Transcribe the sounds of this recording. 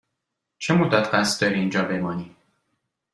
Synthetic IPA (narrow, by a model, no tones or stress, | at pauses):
t͡ʃʰemod̪æt̪ɢæst̪d̪ɒɾiːnd͡ʒɒːbe̞mɒːniː